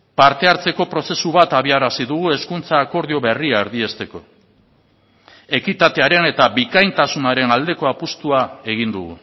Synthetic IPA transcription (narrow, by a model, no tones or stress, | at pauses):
paɾt̪e̞aɾt͡se̞ko̞pɾo̞se̞suβat̪aβiaɾasiðuɣ̞ue̞skunt͡saːko̞ɾðio̞βe̞riaeɾðie̞st̪e̞ko̞ | e̞kit̪at̪eaɾe̞ne̞t̪aβikajnt̪asunaɾe̞nald̪e̞ko̞apust̪uae̞ɣ̞ind̪uɣ̞ṵ